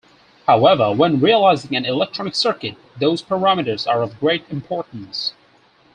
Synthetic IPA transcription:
haʊɛvə˞wɛ̃nɹiəlaɪzɪ̃ŋæ̃nɪlɛk̚tʰɹ̥ɔnɨksɜ˞kɨt̪̚ðoʊz̥pʰə˞æmɨɾə˞zəɹʌvɡɹeɪɾɨ̃mpʰɔɹʔn̩s

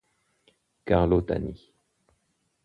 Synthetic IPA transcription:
kaʁlot̪a̰ni

